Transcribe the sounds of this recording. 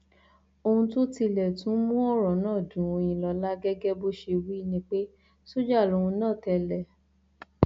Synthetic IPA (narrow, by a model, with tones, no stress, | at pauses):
o˧hũ˧to˦ti˧lɛ˨tũ˨˦mũ˦ɔ˦˨ɾɔ˨˦nãː˦˨dũ˨˧j̃ĩ˧lɔ˧la˦ɡɛ˦ɡɛ˦bo˦ʃe˧wi˦nĩ˦k͡pe˦ | so˦d͡ʒa˦˨lo˧ũ˧nãː˦˨tɛ˧lɛ˨